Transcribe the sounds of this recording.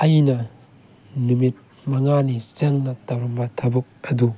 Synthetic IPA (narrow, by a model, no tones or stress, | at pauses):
ɐjnɐ | numit̚ | mɐŋanit͡ʃɐŋnɐtɐwɾɐmbɐtʰɐbɐk̚ɐdu